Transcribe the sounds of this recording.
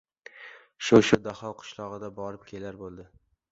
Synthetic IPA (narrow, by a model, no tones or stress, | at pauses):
ʃoʃʊd̪ahɒlˠqʰʊ̥ʃlˠɒʁɨd̪abɒɾɪp̚kʲʰe̞laɾbolˠd̪ɪ